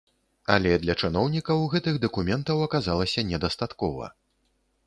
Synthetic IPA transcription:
ɐ̰lʲɛd̪lʲɐt͡ʂɨnɔwnʲikɐwɣɛt̪ɨɣd̪ɐkumʲɛnt̪ɐwɐkazalˠɐsʲɐnʲɛd̪ɐst̪at̪kɔvɐ̰

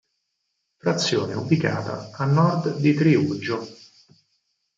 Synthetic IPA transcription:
fɾat̪sːjo̰ːnḛubika̰ːt̪a̰anːɔrd̪d̪it̪ɾiud͡ʒːo

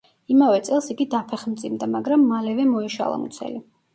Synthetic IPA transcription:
imavɛt̪sʼɛlˠsiɡid̪apʰɛχmd̪zʼimd̪amaɡɾamːalɛvɛmɔiʃa̰lˠa̰mṵt̪sʰɛ̰li

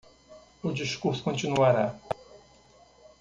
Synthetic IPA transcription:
ʊd͡ʒiʃkuɾskõnt͡ʃinuaɾa

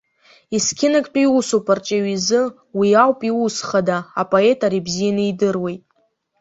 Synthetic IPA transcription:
iskʲʰɪnakʼpʰʼaiusopʼart͡ʃʼaɥizɨ | wiawpʼiusχadaa̰pʼo̞e̞tʰʼaɾibzijanɨidɨrwe̞jtʼ

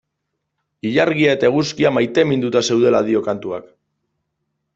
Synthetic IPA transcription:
iʎaɾɣiae̞t̪ae̞ɣuskiamajt̪e̞mind̪ut̪ase̞wð̞e̞lað̞io̞kant̪uak

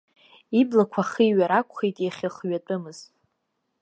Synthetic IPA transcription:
iblakʷʰaχiiɥaɾakʷʰʼχejtʼjaχʲaχɥat͡pʼɨmɨz̥

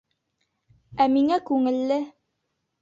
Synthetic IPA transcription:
æmiŋækʉŋɘ̆lːɘ

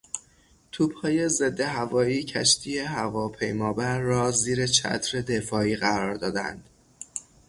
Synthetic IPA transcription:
t̪ʰuːb̥hɒːje̞ze̞d̪ːe̞ɦævɒːiːcʰæ̰ʃt̪ʰiːje̞ɦævɒːpʰe̞jmɒːbæɾːɒːziːɾe̞t͡ʃʰæ̰t̪ʰɾe̞d̪e̞fɒːiːɣæɾɒːɾd̪ɒːd̪æ̰nd̪̥

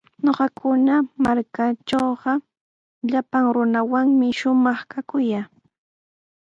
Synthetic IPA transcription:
ɲoɢɑkʰʊnamaɾkat͡ʃoːɢɑ | ʎapaŋɾʊnawaŋmɪʃʊmɑχkakʊjaː

